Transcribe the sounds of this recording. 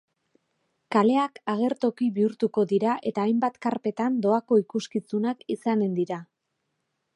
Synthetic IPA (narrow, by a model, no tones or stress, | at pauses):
kale̞akaɣ̞e̞ɾt̪o̞kiβiuɾt̪uko̞ðiɾaʔe̞t̪aːjmbat̪kaɾpe̞t̪and̪o̞ako̞ikuskit͡sunakisane̞nd̪iɾa